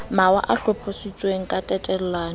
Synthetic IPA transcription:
mawa̰ʔaɬʊpʰosit͡sʼweŋ̩kʼatʼɛtʼɛl̩laːn̩

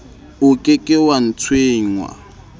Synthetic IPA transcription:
ʊkʼɪkʼɪwan̩t͡sʰweːŋ̩wa̰

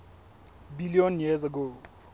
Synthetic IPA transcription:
biliɔnjɛzaɡo

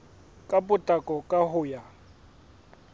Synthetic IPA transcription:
kʼapʊtʼakʼɔkʼahʊja

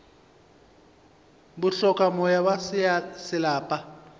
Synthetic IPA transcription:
bʊɬɔkʼamɔjawasɪlaːpʼa

